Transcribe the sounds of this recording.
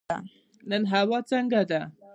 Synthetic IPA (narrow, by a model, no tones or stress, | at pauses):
a | nənɦawat͡səŋɡad̪a